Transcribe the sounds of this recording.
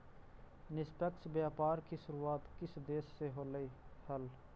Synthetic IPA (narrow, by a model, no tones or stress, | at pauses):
nɪspɛksbjaːpaːɾkisʊɾuːaːt̪kɪsd̪eːsːeɦoːləiːhəl